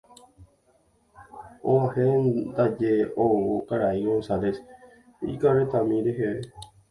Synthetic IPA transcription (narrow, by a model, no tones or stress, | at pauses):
oahend̪ad͡ʒeowokaɾaiwosales | ḭkaɾet̪amĩɾeɦeʋe